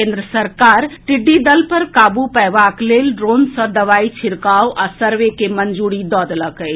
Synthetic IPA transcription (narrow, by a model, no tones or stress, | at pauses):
ẽnd̪ɾəsəɾkaːɾʈɪɖːid̪əlpəɾkaːbupɛjʋaːkleːlɖɾoːnsə̃d̪ɐʋaːit͡ʃʰɪɾkawʔasəɾʋekemənd͡ʒuɽid̪ɔːd̪ləkə